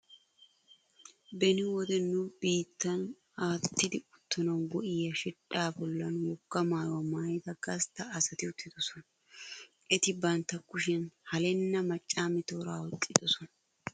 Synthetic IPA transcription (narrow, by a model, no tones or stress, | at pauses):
bɛnɪwɔd̪ɛnːʊbiːt̪ːɐn | aːt̪ːɪd̪ɪʊt̪ːɔnɐwnɡɔʔɪjɐʃɪᶑaːbɔlːɐnʊjɔkːɐmaːjwɐmaːjt̪ɐɡɐst̪ːɐːsɐt̪ɪʊt̪ːɪd̪̥ɔsɔnɐ | ʔɛt̪ɪbɐnt̪ːɐkːʊʃ̬ɪnhɐlɛnːɐmɐt͡ʃʼːaːmɪt̪oːɾaːwʊt̪ʼːɪd̪ɔsɔnɐ